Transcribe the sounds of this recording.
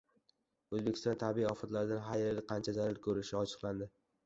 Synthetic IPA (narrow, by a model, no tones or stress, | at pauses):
ɵzbekʰʲɪst̪ɒnt̪ʰabiiɒfɒt̪laɾɪd̪anɦaɾelʲɪqʰɑnt͡ʃʰad͡ʒ̪aɾaɾkʰɵɾɪʃɪɒt͡ʃʰɨ̥qlˠand̪ɪ